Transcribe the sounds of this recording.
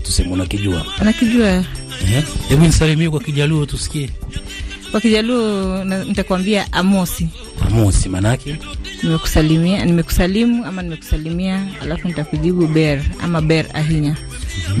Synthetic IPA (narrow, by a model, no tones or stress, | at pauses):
tu̥sɛmɛunakiʄua̰nakiʄua | ɛhɛhɛvinisalimiɛk̬wakiʄaluatusi̥kiɛ | kwakiʄaluanitakuambiaʔamɔsi | a̰mɔsimanakɛnimɛku̥salimianimɛku̥salimuamanimɛku̥salimiaa̰lafunitakuʄiɓuɓɛɾa̰maɓɛɾa̰ɦiɲa